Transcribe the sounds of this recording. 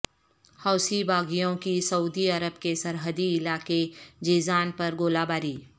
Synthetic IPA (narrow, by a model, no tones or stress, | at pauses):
hɔːsibaːɡijõkisɐuːd̪iɐɾəbkesɐɾɦəd̪iɪlaːked͡ʒeːzaːnpɐɾɡoːlaːbaːɾiː